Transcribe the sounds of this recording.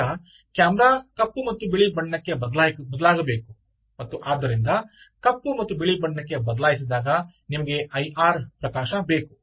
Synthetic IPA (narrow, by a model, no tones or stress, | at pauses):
ɐ | kjaːmɾaːkɐpːumɐt̪ːubeɭibɐɳːɐkːebɐd̪labɐd̪ɐlaːɡɐbe̞ːku | mɐt̪ːuʔaːd̪ːɐɾind̪ɐ | kɐpːumɐt̪ːubeɭibɐɳːɐkːe̞bɐd̪ɐlaːjisid̪aːɡɐ | nimɐɡe̞ʔɐjʔaːɾpɾɐkaːʃɐbeːku̥